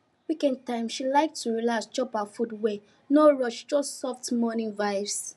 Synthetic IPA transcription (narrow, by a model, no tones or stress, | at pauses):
wikɛ̃nd̚tãɪ̃mʃilaɪk̚tʰuɹilasd͡ʒɔpafudwe | nɔɹɔʃd͡ʒɔstsɔftmɔnĩnvaɪvs